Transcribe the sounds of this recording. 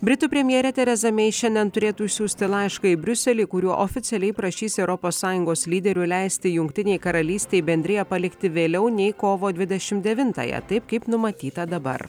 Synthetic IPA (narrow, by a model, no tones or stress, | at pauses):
bʲɾʲɪt̪uːpʲɾʲɛmʲjɛɾʲɛt̪ʲɛɾʲɛzɐmʲɛɪʃʲɛnʲd̪ʲɛnt̪ʊɾʲeːt̪uɪʃʲsʲuːsʲt̪ʲɪlˠɑɪʃkɐɪbʲɾʲʊsʲɛlʲiːkʊɾʲuɔʔofʲɪt̪sʲɛlʲɛɪpɾɐʃʲiːsɛʊɾɔpoːsːɑːjʊŋɡoːslʲiːd̪ʲɛɾʲʊlʲæɪsʲt̪ʲɪjʊŋkt̪ʲɪnʲɛɪkɐɾɐlʲiːsʲt̪ʲɛɪbʲɛnʲd̪ʲɾʲɪjɛpɐlʲɪkt̪ʲɪʋʲeːlʲɛʊnʲɛɪkoːʋoːd̪ʲʋʲɪd̪ʲɛʃʲɪmtd̪ʲɛʋʲɪnt̪ɑ̰jɛ̰t̪ɐɪp̚kɐɪpnʊmɐt̪ʲiːt̪ɐd̪ɐbɐ̰ɾ